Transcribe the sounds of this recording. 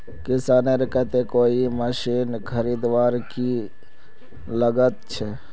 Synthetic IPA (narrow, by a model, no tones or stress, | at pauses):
kɪsaːneɾkɛt̪ekoːiməʃiːnkʰəɾiːd̪ʋaːɾki | ləɡət̪̚t͡ʃʰɛ